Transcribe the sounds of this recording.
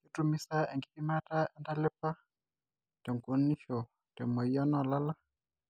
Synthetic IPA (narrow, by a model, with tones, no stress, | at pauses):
ki˦tu˦mi˦sa˦ɛ˨ŋɡi˦pi˦ma˦ta˦ɛ˦nda˦lɪ˦pa˦ | tɛ˨ŋko˦ni˦ʃɔ˨ | tɛ˨mɔ˨jɔ˦nɔ˨la˦la˦